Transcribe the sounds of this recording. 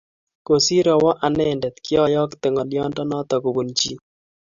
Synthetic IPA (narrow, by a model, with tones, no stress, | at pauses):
ko˨si˦ɾɔ˨wɔ˦ʔa˨nɛ˦ndɛ˨t̪kjɔ˦jɔ˦kt̪ɪ˨ŋɔ˨ljɔ˦ndɔ˦nɔ˦t̪ɔ˨ku˨bu˨nt͡ʃi˦